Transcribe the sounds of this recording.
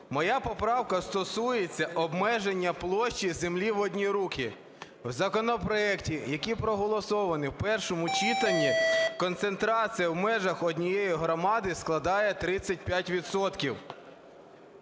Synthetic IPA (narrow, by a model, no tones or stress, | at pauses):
mɔjapɔpɾɑwkɐst̪ɔsujet͡sʲːɐʔɔbmɛʒenʲːɐplˠɔʃt͡ʃːizemlʲiʋɔdʲnʲiɾukʰʲi | wzɐkɔnɔpɾɔɛktʲijɐkʲipɾɔɦɔlˠɔsɔʋɐnɪwpɛrʃɔmʊt͡ʃit̪ɐnʲːikɔnt̪se̞nt̪ɾɑt͡sʲijɐwmɛʒɐxɔdʲnʲijejiɦɾɔmɑd̪ɪsklˠɐd̪ɑjɛt̪ɾɪt͡sʲːɐt̚ʲpʲjatʲʋʲid̪sɔt̪kʲiw